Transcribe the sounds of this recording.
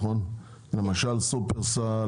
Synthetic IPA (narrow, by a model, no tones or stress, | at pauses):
χon | lemaʃalsupeʁsa